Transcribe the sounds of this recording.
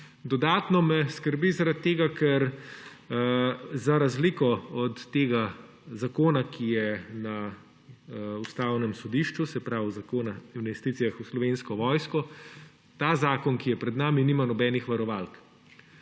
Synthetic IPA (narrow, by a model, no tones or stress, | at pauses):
d̪ɔd̪aːt̪nɔmɛskəɾbizaɾat̪̚t̪ːeːɡakʰɛɾ | zaɾazlikɔɔt̪ːeːɡa | zakoːnakʰijɛna | ust̪aːwnɛmsɔd̪iːʃt͡ʃusɛpɾawzakoːnainʋɛst̪iːt̪sijaxuslɔʋenskɔʋɔjskɔ | t̪azaːkɔnkijɛpɾɛd̪naːminiːmanɔbɛːnixʋaɾɔʋalk